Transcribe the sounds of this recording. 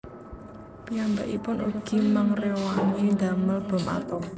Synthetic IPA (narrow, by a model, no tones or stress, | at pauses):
piambaʔḭpʊnʔuɡ̥i̤maŋrewanind̪aməlb̥ɔ̤mʔa̰t̪ɔ